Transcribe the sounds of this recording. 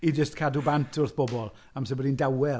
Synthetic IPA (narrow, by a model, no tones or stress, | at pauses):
id͡ʒəstkʰadubantʰʊrθb̥ɔbɔlˠ | amsɛbɛdindawɛ